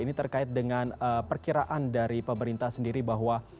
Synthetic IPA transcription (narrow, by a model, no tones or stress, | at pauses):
init̪ərkaɪt̪̚dəŋanəpərkiɾaʔandaɾipəməɾint̪asəndiɾibaɦwa